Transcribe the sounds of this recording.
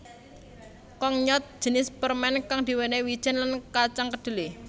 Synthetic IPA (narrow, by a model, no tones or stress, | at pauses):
kɔŋɲɔt̪̚d̥ʒ̥ə̤nɪspərmɛnkaŋd̪̥i̤wenewid̥ʒ̥ɛ̤nlankat͡ʃaŋkəd̪̥ṳle